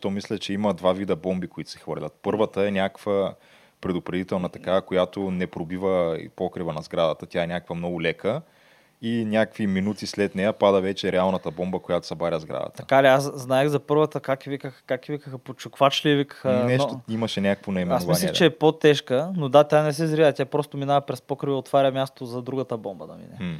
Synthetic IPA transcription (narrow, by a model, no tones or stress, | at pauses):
ʃt̪ɔmislʲɛt͡ʃɛimɐd̪vavid̪əbɔmbikoit̪ʊ̥sɛ̥xvɤ̰ɾlʲɐt̪̚pɤɾvət̪əɛnʲakkv̥ə | pɾɛd̪ʊpɾɛd̪it̪ɛlˠnɐt̪ɐkavəkojat̪onɛpɾobivə̰pɔkɾivənɐzɡɾad̪ət̪ət̪jaɛnʲakəkvəmnɔɡʊlɛkə | inʲakkviminut̪islɛt̪nɛjəpad̪əvɛt͡ʃɛɾɛalˠnɐt̪əbɔmbəkojat̪o̥sɐbaɾʲəzɡɾa̰d̪ə̰t̪ɐə̥kaliasznajɛɣzɐpɤɾvət̪əkakivikəxkakivikəxəpot͡ʃʊkvat͡ʃlivikə̥xənɛnʃt̪oimɐʃɛnʲakə̥kvonɐimɛasnomvianiɛt͡ʃɛːpot̪ɛʃkənod̪at̪ʲanɛs̬ɛzɾiɐt̪ʲjapɾɔst̪ominaɐpɾɛspɔkɾivɐot̪vaɾʲɐmjast̪t̪ozɐd̪ɾuɡət̪əbɔmbənɐ̰mḭnɛ̰